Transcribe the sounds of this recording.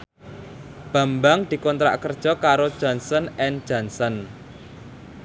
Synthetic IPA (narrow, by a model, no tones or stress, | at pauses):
b̥a̤mbaŋd̪̥i̤kɔnt̪ɾa̰ʔkərd̥ʒ̥ɔ̤kaɾod̥ʒ̥ɔ̤nsɔnɛnd̥d͡ʒ̥a̤nsɔn